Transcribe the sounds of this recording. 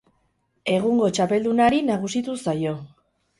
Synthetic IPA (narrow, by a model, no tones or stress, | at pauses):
e̞ɣ̞uŋɡo̞t͡ʃape̞ld̪unaɾinaɣ̞usit̪usajo̞